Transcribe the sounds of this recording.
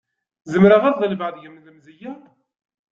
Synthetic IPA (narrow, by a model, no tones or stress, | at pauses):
zəmɾaʁæððˤəlvʕðʝəmðəmzəjæ